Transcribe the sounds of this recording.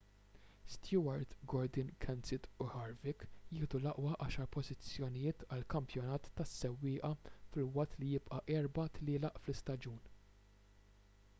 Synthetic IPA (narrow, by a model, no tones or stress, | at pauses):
st̪juɐɾt̪ɡɔɾd̪ɪnkʰɛnsɪt̪ʊħɐɾvɪkjɪːhd̪ulɐʔwɐʔɐːʃɐɾpɔzɪt͡sːjɔnɪjɪːt̪ɐlkɐmpjɔnɐːt̪ːɐsːɛwːɪːʔɐfɪlwɐʔt̪ːlijɪpʔɐʔɛɾbɐt̪lɪːlɐʔflɪst̪ɐd͡ʒuːn